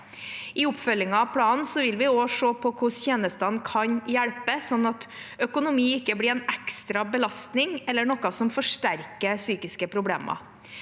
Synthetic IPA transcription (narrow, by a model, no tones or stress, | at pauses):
ɪʊpfœlɪŋɑɑpʰɽɑːnn̩sɔʋɪlʋɪoːʂoːpʰɔkʰʊsçeːnəst̪ɑnkʰɑnjæɽpəsɔnːɑt̪ | œkʊnʊmiːɪkːəblɪɾɛnɛkst̪ɾɑbəlɑst̪nɪŋɛlːəɳɔkːɑsɔmfɔʂʈæɾkəsyːkɪskəpʰɾʊbɽḛːmɑ̰